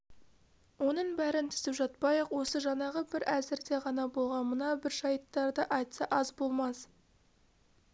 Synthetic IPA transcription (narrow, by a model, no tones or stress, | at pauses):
wo̞nəɴbæɾɪnt̪ʰʏ̥zɪpʒɑt̪̚pɑjəqwo̞səʒɑnɑʁəbɪɾæzɪɾd̪e̞ʁɑnɑbo̞lˠʁɑnmənɑbɪɾʒɑjət̪ːɑɾd̪əʔɑjt̪sɑʔɑzbo̞lˠmɑs